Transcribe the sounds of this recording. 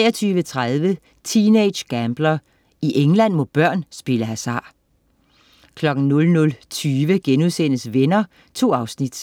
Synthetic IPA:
ɛːɐt͡sʰyːʋət͡sʰʁaðˠʋə | t͡sʰiːneɪ̥ɕɡ̥æmb̥lɐ | iʔeŋlæn̰mɔ̽b̥ɶɐ̰nsb̥e̝ləɦæsɑ̰̈ː | kʰlɒ̽ɡ̥n̩nɔ̽lnɔ̽lt͡sʰyːʋəɡ̥enuðˠsen̰əsʋenɐ | t͡sʰo̝̰ːɑ̈ʊsnid̥

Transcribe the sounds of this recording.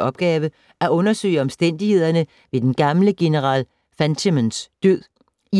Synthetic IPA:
ɒ̽b̥̚ɡ̥ɛːʋə | æʔɔ̽nɐsø̰ɪɒ̽msd̥en̰d̥ihe̝ð̞̰ˠɐnə | ʋe̝d̥enɡ̥ɑ̈mləɡ̥e̝nəʁɑ̰̈ːl | fænt͡sʰimensd̥øð̰ˠ | i

